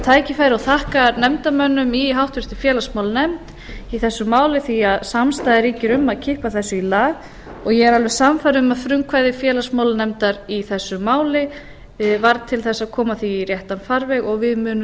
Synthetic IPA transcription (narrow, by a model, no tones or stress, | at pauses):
t̪ʰaːjcɪfajɾɪawθahkanɛmt̪amœnːʏmiɦawht̪vɪr̥t̪ɪfjɛːlasmawlnɛmt̪ | iθɛsːʏmaːwlɪθiaðsamst̪ajðɪɾiːcɪɾʏmːaðcʰɪhpaθɛsːʏilaːɣ | ɔɣjɛɣɛɾalvɛɾsamfajɾʏmaðfɾʏŋkʰvajðɪfjɛːlasmawlnɛmt̪aɾiθɛsːʏmaːwlɪ | vaɾt̪ʰɪlθɛsːaðkʰɔːmaθiːɾjɛht̪anfaɾvɛɣɔɣvɪðmʏːnʏ